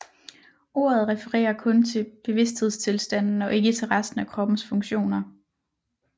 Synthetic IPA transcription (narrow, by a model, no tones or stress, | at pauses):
o̝ːɐð̞ˠʁɛfəʁɛ̰ːɐkʰɔ̽nt͡sʰe̝b̥e̝ʋe̝sd̥he̝ð̞̰ˠst͡sʰe̝lsd̥æn̰n̩ɒ̽ʔe̝ɡ̥ət͡sʰe̝lʁɑ̈sd̥n̩ækʰʁɒ̽b̥n̩sfɔ̽ŋɕo̝̰ːnɐ